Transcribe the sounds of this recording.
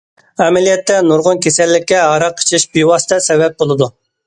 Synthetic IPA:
ɛmɛlijɛt̪ːɛnuɾʁʊnkʲʰesɛlːɪkʲːɛɦɑɾɑqʰːə̥t͡ʃʰɪʃbiwɑsɨ̥t̪ʰɛsɛvɛp̚bolˠɨd̪u

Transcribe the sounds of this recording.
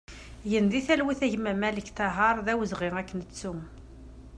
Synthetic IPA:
jənðiθælwiθæʝmæmæləçt̪ɑɦɑɾˤðæwəzʁɪŋækːənət͡sːu

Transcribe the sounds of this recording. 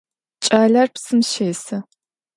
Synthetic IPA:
t͡ʃʼaːɮɐrpʰsɨmʃeːsɐ

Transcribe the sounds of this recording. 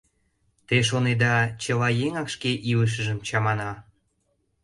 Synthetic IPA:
t̪eʃ̬oned̪ɑt͡ɕəlɑjeŋɑkʃkeʔiləʃ̬ə̆ʒə̆mt͡ɕɑmɑnɑ

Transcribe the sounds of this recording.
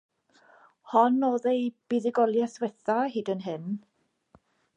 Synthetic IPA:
hɔnɔðejb̥iðɪɡɔlˠjaswɛθahiːdənɦɪn

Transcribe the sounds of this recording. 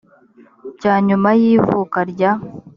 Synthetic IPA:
caːɲumajiːvukaɾɟa

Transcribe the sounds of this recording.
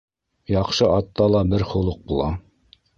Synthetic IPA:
jɑqʃɤʔɑt̪ːɑlˠɑbɘɾχŭlˠɤq̚bulˠɑ

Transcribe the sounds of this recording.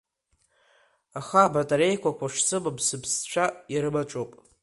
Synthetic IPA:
aχabatʼaɾejkʷʰakʷʰaʂsʰɨmabsɨbst͡ɕʷʰajaɾɨmat͡ʃʷʼopʼ

